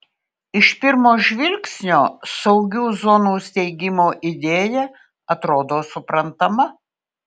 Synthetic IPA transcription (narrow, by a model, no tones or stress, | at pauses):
ɪʃpʲɪɾmoːʒʲʋʲɪlʲksʲnʲoːsɐʊɡʲuːzɔnuːsʲt̪ʲɛɪɡʲɪmoːʔɪd̪ʲeːjɛ | ɐt̪ɾoːd̪oːsʊpɾɐnt̪ɐmɐ